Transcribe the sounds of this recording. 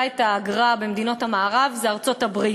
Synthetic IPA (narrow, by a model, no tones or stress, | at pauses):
etaːɡʁabemd̪ino̞thamaːʁavzeaʁt͡so̞thabʁi